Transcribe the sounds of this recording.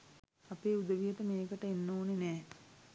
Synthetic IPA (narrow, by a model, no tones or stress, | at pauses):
apeːud̪əʋijəʈəmeːkəʈəenːoːnenɛː